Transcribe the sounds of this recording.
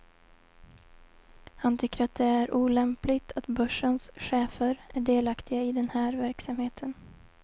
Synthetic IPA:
hant̪ʰʏkːəɾat̪̚d̪ɛæɾʔuːlɛmplɪɡt̪ʰat̪bœʂːənsɧeːfəɾæɖeːlakt̪ʰɪɡaɪd̪ɛnhæːɾvæɾksamheːt̪ʰən

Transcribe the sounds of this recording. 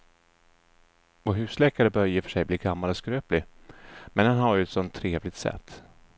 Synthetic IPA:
ɔɦʉ̟ːslɛːkaɾəbœɾjəfœ̥ʂɛjbliːɡamːalɔskɾøːplɪmɛnd̪ɛnɦaɾjɵɛt̪sɔnt̪ʰːɾeːvlɪt̪sɛ̰t̪ː

